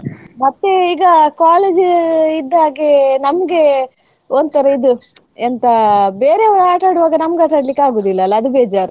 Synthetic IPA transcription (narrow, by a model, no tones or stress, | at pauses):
mɐt̪ːeiːɡɐkaːleːd͡ʒid̪ːaːɡenɐmɐɡe̞ | ond̪t̪ɐɾɐid̪u | ent̪ɐbeːɾeɐʋɐɾuaːʈaːɽuʋaːɡɐnɐmɡaːʈaːɖlikːaːɡoːd̪ilːɐːlːɐːd̪ubeːd͡ʒaːɾu